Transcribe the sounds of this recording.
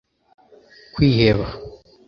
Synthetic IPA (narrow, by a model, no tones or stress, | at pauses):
kwiːheβa